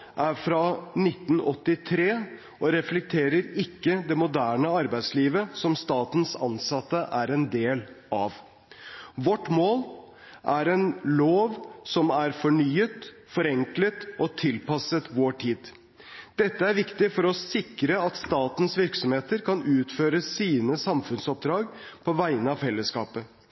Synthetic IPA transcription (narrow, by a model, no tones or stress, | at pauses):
ʔæɾfɾɑnɪt̪ːnɔt̪ːɪt̪ʰɾeː | ʔɔɾɛflɛk̚t̪ʰeːɾəɾɪkːəd̪ɛmʊd̪æːɳəɑɾbæɪsliːʋəsɔmst̪ɑːt̪ənsɑ̰nsɑt̪ːəʔæɾɛnd̪eːlʔɑʋ | ʋɔʈːmoːl | ʔæɾɛnloːʋsɔmæɾfɔɳyːət̪ | fɔɾɛŋklət̪ɔt̪ʰɪlpɑsət̪ʋoːʈʰiːd̪ | d̪̥ɛt̪ːəæɾʋɪkt̪ɪfɔɾɔsɪkɾəɑt̪st̪ɑːt̪n̩sʋɪɾksɔmheːt̪əɾkʰɑnʉːt̪føːɾəsiːnəsɑmfʉnsɔp̚d̪ɾɑːɡpʰɔʋæɪənəɑʋfɛlːəskɑːpə